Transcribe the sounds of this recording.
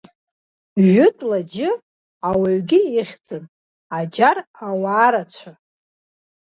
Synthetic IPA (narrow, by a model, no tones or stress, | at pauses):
ʒʷʊtʼlad͡ʒɪ | awaɥɡʲɪːχʲd͡zʼɨn | ad͡ʒarawaːɾat͡ɕʷʰa